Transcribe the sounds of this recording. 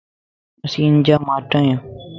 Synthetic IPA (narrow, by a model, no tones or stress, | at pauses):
əsiːɪɲd͡ʒaːmaːʈãːjãː